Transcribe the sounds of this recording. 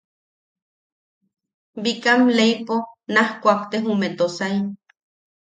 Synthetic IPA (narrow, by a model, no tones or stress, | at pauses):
bikamlejponahkʷakt̪eɦumet̪osai